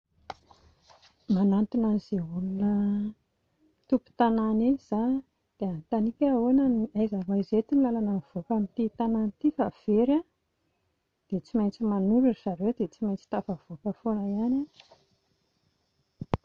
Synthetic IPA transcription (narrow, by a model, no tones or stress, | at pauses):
manant̪unaniz̥eulunə | t̪upu̥t̪ananez̥a | d̪̥eant̪anikʲaonaniajzavajzet̪inilalanəv̥okamint̪it̪anant̪ifav̥eɾa | d̪̥et͡simajnt͡simanuɾuizaɾewd̪et͡simajnt͡si̥t̪avav̥okəfonəiana